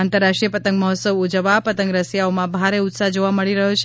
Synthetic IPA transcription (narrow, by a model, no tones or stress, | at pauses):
ant̪əɾːaʂʈɾijəpət̪ə̃ŋɡməɦɔt̪səʋud͡ʒəʋapət̪ə̃ŋɡɾəsjaomãbʱaɾeʊt̪sad͡ʒoʋaməɭiɾəɦot͡ʃʰ